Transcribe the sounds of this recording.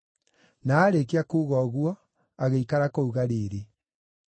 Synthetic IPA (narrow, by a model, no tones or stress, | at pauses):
naːɾek̬eakuːɣɔɣwɔ | aɣeikaɾakouɣaɾeɾe